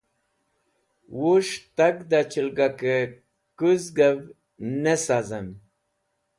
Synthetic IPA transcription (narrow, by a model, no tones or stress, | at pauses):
woʂt̪aɡd̪at͡ɕilɡakə | kuzɡəv | nəsazəm